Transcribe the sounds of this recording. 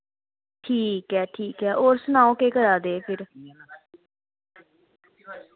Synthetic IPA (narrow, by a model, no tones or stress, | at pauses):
ʈʰiːkɦɛːʈʰiːkɦɛːʔoːɾsʊnaːõːkeːkəɾaːd̪eːpʰɪɾ